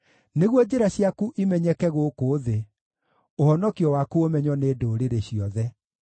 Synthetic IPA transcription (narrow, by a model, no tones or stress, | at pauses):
neɣwɔd͡ʑeɾaɕiakuʔimɛɲɛkɛɣokoːðe | ohɔnɔkiɔwakuomɛɲwɔnedoːɾeɾeɕiɔðɛ